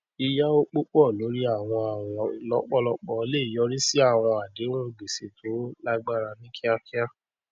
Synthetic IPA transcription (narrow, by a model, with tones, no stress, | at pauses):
i˧ja˦o˦k͡po˦k͡pɔ˦˨lo˨˦ɾi˦a˦˨w̃ɔ̃˧a˨wɔ̃˨lɔ˨˦k͡pɔ˦˨lɔ˧˦k͡pɔ˧˦le˦i˨jɔ˨˦ɾi˦si˦a˦˨w̃ɔ̃˧a˨de˨˦wɔ̃˦˨ɡ͡be˨sḛ˨tʰo˨˦la˦ɡ͡ba˦˨ɾa˧nĩ˦kʰĩ˦a˦fi˦a˦